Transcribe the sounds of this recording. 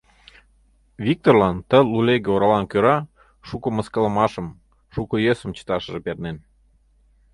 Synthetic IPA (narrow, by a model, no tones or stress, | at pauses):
βik̚t̪orlɑnt̪ə̆luleɣeoɾɑlɑnkøɾɑ | ʃukə̆mə̆skə̆lə̆mɑʃə̆m | ʃukɤ̆jøsə̆mt͡ɕə̥t̪ɑʃəʒepernen